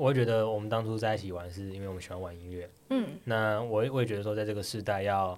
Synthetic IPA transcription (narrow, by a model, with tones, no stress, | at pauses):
wɔ˧˥˨t͡ɕɥɛ˧˥d̪ə˧wɔ˨˩mə˦nt̪ɑ˥ŋʈ͡ʂʰu˥t͡sa˥˧ɪi˥˩t͡ɕʰi˨˩wa˧˦nʂɻ̩˥˩i˥nwe˥˩wɔ˨˩˧ɕi˨˩wa˥nwa˨˦ni˧˥ŋɥɛ˥˩˥na˥˩wɔ˧˦˨wɔ˧˦je˨t͡ɕɥɛ˧˥ə˧ʂwɔ˥t͡sa˥˧ɪʈ͡ʂɤ˥˩ɡə˩ʂɻ̩˥˧t̪a˥˧ɪjɑ˥˩ʊ